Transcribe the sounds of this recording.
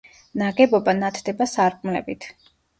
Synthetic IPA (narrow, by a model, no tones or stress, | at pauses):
naɡɛbɔbanat̪ʰd̪ɛbasaɾkʼmlɛ̰bit̪ʰ